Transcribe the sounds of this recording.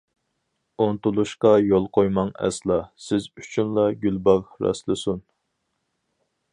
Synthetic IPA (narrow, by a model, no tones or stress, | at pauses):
ont̪ulˠuʃqɑjolˠqʰojmɑŋɛ̰slˠɑsɪzyt͡ʃʰynlˠɑɡʲylbɑɾɾɑ̰slˠɨsun